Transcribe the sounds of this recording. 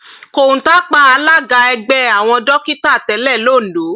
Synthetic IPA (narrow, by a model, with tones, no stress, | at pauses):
ko˨ũ˨ta˦k͡pa˦a˧la˦ɡa˧ɛ˧ɡ͡bɛ˧a˨w̃ɔ̃˧dɔ˦ki˦ta˦˨tɛ˨˦lɛ˦˨lo˦˨n̩˨lo˨˦